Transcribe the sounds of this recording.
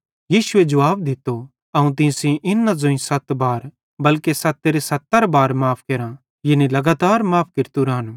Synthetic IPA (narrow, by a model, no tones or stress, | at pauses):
jiːsʊed͡ʒɐʋaːb̚d̪ɪt̪ːo | ɐũt̪̬ɪ̃sĩʔɪnːãzõĩsɐt̪baːɾ | bɐlkesɐt̪ːeɾesɐt̪ːəɾbaːɾmaːpʰkeːɾã | jɪnilɐɡaːt̪aːɾmaːp̚ʰkɪɾt̪uɾaɦɐnu